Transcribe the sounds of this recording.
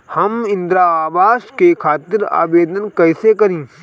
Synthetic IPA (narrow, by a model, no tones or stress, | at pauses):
hɐmɪ̃nd̪ɾaːaːbaːʃkekʰaːt̪ɪɾa̰ːʋeːd̪ənkɛːsekɐɾĩː